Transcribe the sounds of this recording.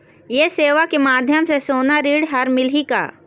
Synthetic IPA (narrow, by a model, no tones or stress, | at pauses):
jeseːʋakemaːd̪ʱjəmsesoːnaɾiːɽɦɐɾmɪlɦika̰ː